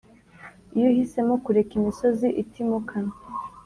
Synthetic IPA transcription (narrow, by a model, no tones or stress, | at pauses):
ijohise̞mokuɾe̞kimiso̞ziʔitʰimukʰa